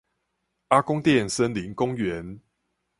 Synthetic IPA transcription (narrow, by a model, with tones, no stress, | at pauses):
a˦kʊ˦ŋt̪jɛ˥˨nsə˦nli˨˦ŋkʊ˦ŋɥɛ˨˦n